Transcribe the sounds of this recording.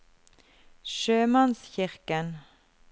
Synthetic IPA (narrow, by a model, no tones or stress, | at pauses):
ʃøːmɑnsçɪʁkən